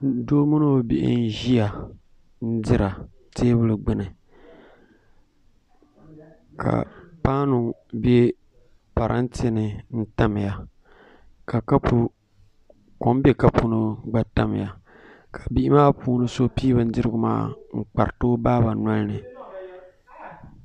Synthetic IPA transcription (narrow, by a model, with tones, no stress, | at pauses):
doː˦mu˦no˦˨bḭ˨ʔɪ̰˦n˦ʒi˦a˨ | n̩˦dɪ˦ɾa˨ | teː˦bɨ˦lɨ˨ɡ͡bɨ˦nɨ˨ | kʰa̰˨paː˦nu˨be˦ | pa˨ɾʔa̰˦ntnɨ˨n̩˦ta˦m˨ja˨ | ka˨ka˦pu˦ | ko˨m˦be˦ka˦pu˦nɨ˦ɡ͡ba˨ta˦m˨ja˨ | kʰa˨bi˦ɪ˦maː˦puː˦nɨ˦so˦piː˦βɨ˦n˦dɨ˦ɾɨ˦ɡʊ˦ma̰ː˦ŋ͡m̩˦k͡pa˨ɾtoː˦baː˦ba˨na˦lnɨ˨